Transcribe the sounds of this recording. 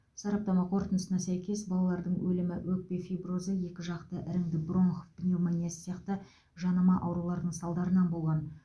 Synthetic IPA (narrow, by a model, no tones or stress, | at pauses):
sɑɾɑp̚t̪ɑmɑqʰo̞ɾt̪ənəsənɑsæjkʲe̞sbɑlˠɑlˠɑɾd̪əɴwɵlɪmɪwɵk̚be̞fibrozəje̞kʲɪʒɑqt̪əʔɪɾɪŋd̪ɪbro̞nχofb̥nʲelmɑnʲiessjɑqt̪ə | ʒɑnɑmɑʔɑwɾulˠɑɾd̪əɴsɑlˠd̪ɑɾənɑnbo̞lˠʁɑn